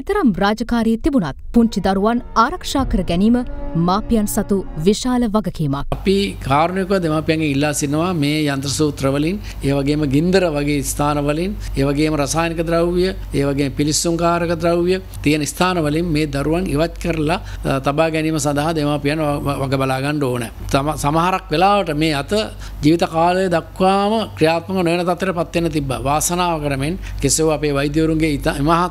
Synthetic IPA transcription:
ɛt̪ɐɾɐmraːd͡ʒɐkaːɾiːt̪ibunat̪puɲt͡ʃid̪ɐɾuʋanaːɾɐkʂaːkəɾəɡɛniːməmaːpijansɐt̪uʋiʃaːləʋɐɡɐkiːmak̚pikaːɾnjkuʋad̪emaːpijaŋɡeŋilːaːsinːɐʋameːjant̪ɾɐsuːt̪ɾəʋəlin | eːʋaɡeːməɡind̪əɾəʋaɡeːist̪ʰaːnəʋɐlineːʋaɡeːməɾɐsaːjnikəd̪ɾawʋijə | eːʋaɡeːməpilisuŋkaːɾəkəd̪ɾawʋijə | t̪ijənəist̪ʰaːnəʋɐlinmeːd̪aɾuʋaŋiʋat͡ʃkəɾəlat̪abaːɡɛniːməsand̪aɦad̪emapijanʋaɡəbalaːɡaɳɖəoːnɛt̪amsamaɦaɾakʋelaːʋəʈəmeːat̪ə | d͡ʒiːʋit̪ɐkaːləjəd̪akʋaːməkɾijaːt̪mɐɡənojənɐt̪at̪ːjeʈəpat̪ːenːət̪ibːa̰ʋaːsənaːʋəkəʈəmenkeseʋapeːʋɐjd̪jəʋuɾuŋɡeit̪imaɦat̪

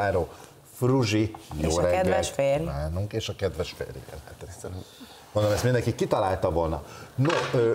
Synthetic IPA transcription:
aːɾoː | fruʒijoːɾɛɡd̪ɛleːɾaːnuŋkeːʃɒkɛd̪ʋɛʃfḛːɾjḭbɛ̰lɛ̰t̪ɛ | ond̪omɛst̪mind̪ɛŋkikːit̪ɒlaːlt̪ɒvolnɒ̰noøː

